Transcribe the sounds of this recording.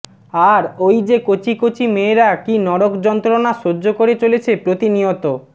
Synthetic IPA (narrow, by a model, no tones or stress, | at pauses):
aɾojd͡ʑekot͡ɕikot͡ɕimeːɾakinɔɾokd͡ʑɔnt̪ɾonaʃoːokoɾet͡ɕolet͡ɕʰepɾot̪iniot̪o